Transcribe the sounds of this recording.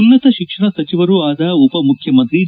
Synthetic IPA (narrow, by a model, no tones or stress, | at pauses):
unːɐt̪ɐʃikʂɐɳɐsɐt͡ʃiʋɐɾuaːd̪ɐupɐmukʰjɐmɐnt̪i